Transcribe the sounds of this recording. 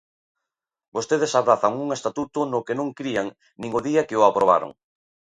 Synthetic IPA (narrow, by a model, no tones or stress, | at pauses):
bost̪eðesaβɾaθaŋuŋest̪at̪ut̪ʊnʊkenõŋkɾiaŋ | nĩŋʊðiakeoapɾoβ̞a̰ɾʊ̰ŋ